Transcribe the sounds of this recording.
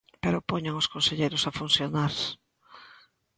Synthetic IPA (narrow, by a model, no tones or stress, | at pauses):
peɾopoɲaŋoskonseʎejɾosafunθjonaɾs